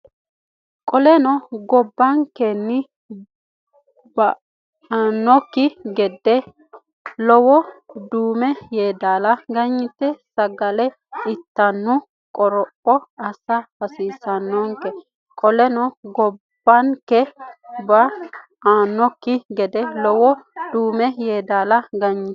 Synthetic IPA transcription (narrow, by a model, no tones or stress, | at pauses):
kʼɔlɛnɔɡɔbːɐŋkɛnːɪ | bɐ | anːɔkːɪɡɛd̪ːɛ | lɔwɔd̪uːmɛjeːd̪aːlɐɡɐɲːɪt̪ːɛsɐɡɐlɛ | ɪt̪ːɐnːʊ | kʼɔɾɔʔɔɐsɐbɐsiːsɐnːɔŋkɛ | kʼɔlɛnɔɡɔbːɐŋkɛbɐ | aːnːɔkːɪɡɛd̪ɛlɔwɔd̪uːmɛjeːd̪aːlɐɡɐɲːɪ